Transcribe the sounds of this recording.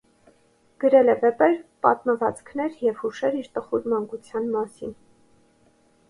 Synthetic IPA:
ɡ̥əɾɛlɛvɛpɛɾpɑ̰t̪məvɑt͡skʰnɛɾjɛvhuʃɛɾiɾt̪əχuɾmɑŋkut͡sʰjɑnmɑsin

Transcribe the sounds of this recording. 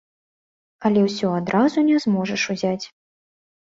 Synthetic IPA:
ɐlʲɛwsʲɔad̪ɾʔazunʲɛzmɔʐɐʂuzʲat͡sʲ

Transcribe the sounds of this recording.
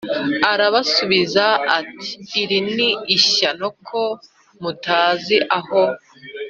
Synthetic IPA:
aɾaβasuβizaːti̥ːɾiniːʃanokʰo | mutaːziʔaho

